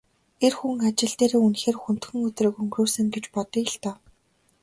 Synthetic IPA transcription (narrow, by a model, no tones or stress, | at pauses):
erxuŋat͡ɕɪ̆ɮt̪eːɾeːunxeːrxun̥t̪xɵ̆ŋɵt̪rɘ̆ːkɵŋɡruːsɘ̆ŋɡet͡ɕpɔt̪iɬt̪œː